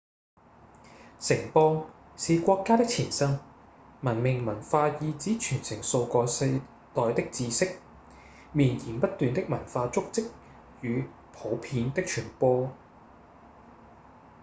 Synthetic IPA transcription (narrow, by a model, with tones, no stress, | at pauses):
sɪ˨˩ŋpɔː˧ŋ | siː˨˧kʷɔː˧kːaː˥t̪ɪ˥k̚t͡sʰiː˨˩nsɐ˥ŋ | mɐ˨˩nmɪ˨ŋmɐ˨˩nfaː˧jiː˨˧t͡siː˨˥t͡ʃʰyː˨˩nsɪ˨˩ŋso˧wkɔː˧sɐ˧j | t̪ɔː˨jt̪ɪ˥k̚t͡siː˧sɪ˥k̚ | miː˨˩njiː˨˩npɐ˥t̚t̪ːyː˨nt̪ɪ˥k̚mɐ˨˩nfaː˧t͡sʊ˥k̚t͡sɪ˥k̚ | jyː˨˧ | pʰo˨˥wpʰiː˨˥nt̪ɪ˥k̚t͡ʃʰyː˨˩npɔː˧